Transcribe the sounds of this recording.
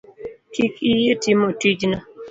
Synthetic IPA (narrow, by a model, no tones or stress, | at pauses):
kikijetimotid͡ʒna